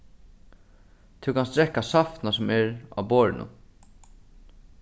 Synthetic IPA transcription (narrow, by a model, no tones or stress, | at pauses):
t̪ʰɪwkʰanst̪ɾɛhkːasafnasʊmɛɾa̰wbɔːɹɪ̰nʊ̰n